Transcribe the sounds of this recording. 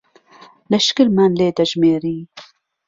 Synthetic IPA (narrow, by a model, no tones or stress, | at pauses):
lɐʃkɨɾmanleːd̪ɐʒmeːɾiː